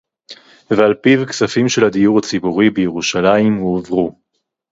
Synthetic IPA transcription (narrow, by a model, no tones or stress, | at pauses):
vealpivksafimʃe̞lhad̪ijuʁat͡sibuʁibejeʁuʃalaimːvʁu